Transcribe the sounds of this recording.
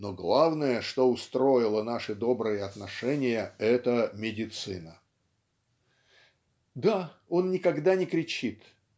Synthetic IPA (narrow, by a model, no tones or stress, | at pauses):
noɡlˠavnəjəʂt̪oʊst̪ɾo̞ɪlˠənaʂɨd̪o̞bɾɨjəɐt̪nɐʂɛnʲɪjəɛt̪əmʲɪdʲɪt̪sɨ̰nə | d̪ao̞nːʲɪkɐɡd̪anʲɪkɾʲɪt͡ɕit̪